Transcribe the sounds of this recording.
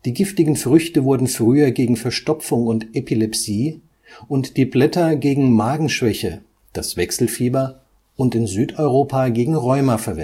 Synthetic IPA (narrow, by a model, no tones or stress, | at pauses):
d̥iːɡɪftɪɡŋ̩fʁ̥ʏçtəvʊɐdn̩fʁ̥yːɐɡeːɡŋ̩fɛɐʃtɔpp͡fʊŋʊntʔepilɛpsiː | ʔʊntd̥iːblɛtɐɡeːɡŋ̩maːɡŋ̩ʃv̥ɛçə | d̥asv̥ɛksl̩fiːbɐ | ʊntɪnzyːtɔʏʁoːpʰaɡeːɡŋ̩ʁɔʏmɐfɛɐvɛn